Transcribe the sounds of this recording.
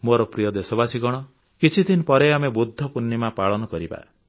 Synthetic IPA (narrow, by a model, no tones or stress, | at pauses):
moɾɔpɾijɔd̪esɔbasiɡɔɽ̃ɔ | kit͡ʃʰid̪ʱinɔpɔɾeamebud̪ʱːɔpunːimapaɭɔnɔkɔɾiba̰